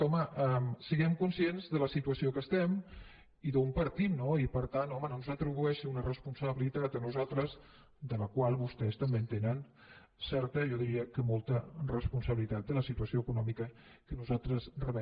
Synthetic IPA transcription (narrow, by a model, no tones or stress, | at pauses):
ɔməʔɛmsəɣɛmkunsienzðələsit̪uəsiokəst̪ɛm | iðəumpəɾt̪it̪noipəɾt̪anɔmənonzət̪ɾuɣuɛʃəunərəspunsəβilit̪at̪ənuzalˠt̪ɾəz | d̪ələkwalˠβust̪ɛst̪əmbent̪enən | sɛɾt̪əʒɔðiɾiəkəmolˠt̪ərəspunsəβilit̪at̪̚d̪ələsit̪uəsioəkunɔmikəkənuzalˠt̪ɾəzrəβə